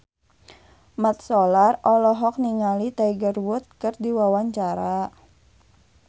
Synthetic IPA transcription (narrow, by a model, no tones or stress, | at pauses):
mat̪̚sɔlarɔlɔɦɔk̚niŋalit̪aiɡərwʊt̪̚kɨrdiwawaɲt͡ʃaɾa